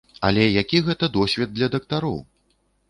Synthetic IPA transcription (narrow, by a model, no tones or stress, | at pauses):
ɐ̰lʲɛjakʲiɣɛt̪ɐd̪ɔsʲvʲɛd̪̚ːlʲɐd̪ɐkt̪aɾɔ̰w